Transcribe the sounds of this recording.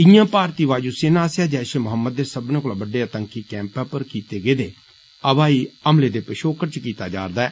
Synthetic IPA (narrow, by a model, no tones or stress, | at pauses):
ɪjãːpaːɾt̪iːʋaːd͡ʒuːseːnãːsjaːd͡ʒɛːʃeːmʊɦəmːəd̪̚ːeːsəbnẽːkolaːbəɖːeːət̪əŋkiːkɛ̃ːmpɛːpəɾkiːt̪eːɡeːd̪eː | əbaːiːəmleːd̪eːpəʃoːkəɾt͡ʃkiːt̪aːd͡ʒa̰ːɾd̪aɛː